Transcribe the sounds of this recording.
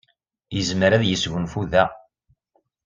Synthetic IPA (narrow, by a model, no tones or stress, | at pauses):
jəzməɾæðjəsʝənfuðæ